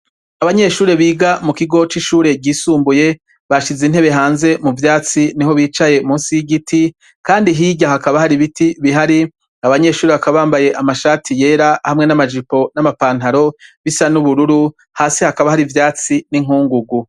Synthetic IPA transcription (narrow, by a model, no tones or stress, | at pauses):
aβaɲe̞ʃuːɾe̞βiːɡamukiɡo̞t͡ʃiʃuːɾe̞ɡɟiːsuːmbuje̞ | βaʃizin̥he̞βe̞ɦaːnze̞muvjaːt͡siniɦo̞βiːt͡ʃaje̞muːnsijiɡitʰi | kaːndiɦiːɟahakaβahaɾiβitiβiɦaɾi | aβaɲe̞ːʃuːɾeβakaβaβaːmbaje̞ʔamaʃaːtʰije̞ːɾahamŋe̞namad͡ʒipo̞namapaːn̥haɾo̞βisanuβuɾuɾu | haːsihakaβahaɾivjaːt͡siniŋuːŋɡuɡu